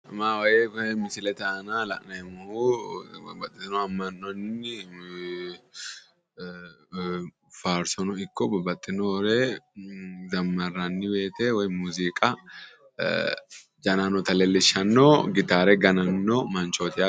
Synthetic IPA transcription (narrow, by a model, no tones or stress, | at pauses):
ɐmaːwɐjekmɪsɪlɛt̪ɐʔɐnalɐ̰ʔnɐɛmʊhubbɐt̪ʼːɪnɔɐmːɐnːɔnːɪ | faːɾsɔnɔɪkːɔbɐbɐt̪ʼːɪnɔɾe | zɐmːɐrːɐnːɪbeːt̪eːwɐjmuːziːkʼɐ | d͡ʒɐnanɔt̪ɐleːlɪʃɐnːoɡɪt̪aːɾɛɡɐnɐnːɔmɐnt͡ʃot̪ɪa